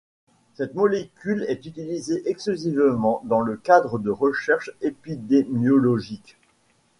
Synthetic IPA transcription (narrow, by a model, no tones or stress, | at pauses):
sɛt̪mɔlekʲylɛt̪yt̪ilizeʔɛksyzivmɑ̃d̪ɑ̃ləkad̪ʁəd̪əʁəʃɛʁʃepid̪emjɔlɔʒik